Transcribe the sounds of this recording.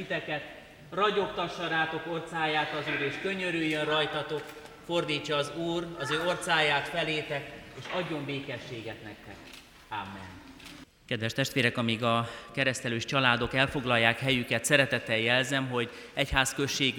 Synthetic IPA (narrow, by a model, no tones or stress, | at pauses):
it̪ɛkɛt̪ | rɒɟo̞kt̪ɒʃːɒɾaːt̪o̞ko̞rt̪saːjaːt̪ɒzuːɾeːʃkø̞ɲøɾyjːønrɒjt̪ɒt̪o̞k | fo̞rd̪iːt͡ʃːɒːzuːrɒzøːo̞rt̪saːjaːt̪fɛleːt̪ɛkeːʃɒɟːo̞ɱbeːkɛʃːeːɡɛt̪nɛk̚t̪ɛ̰k | amːɛ̰n | kɛd̪ʋɛʃt̪ɛʃt̪ʋeːɾɛkɒmiɡɒkɛɾɛst̪ɛløːʃt͡ʃɒlaːd̪o̞kɛlfo̞ɡlɒjːaːkhɛjykɛt̪sɛɾɛt̪ɛt̪ɛjɛlzɛmɦo̞ɟ | ɛchaːskø̞ʃːeːɡ